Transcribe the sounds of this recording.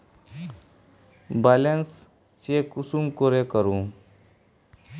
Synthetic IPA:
balens | t͡ɕiekusumkoɾekəɾũ

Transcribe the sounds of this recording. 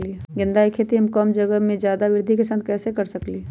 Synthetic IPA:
liɡɪ̃nd̪aːikʰeːt̪iɦəmkəmd͡ʒəɡəmẽd͡ʒjaːd̪aʋɪɾd̪ʱikesənd̪kɛːsekəɾsəkli

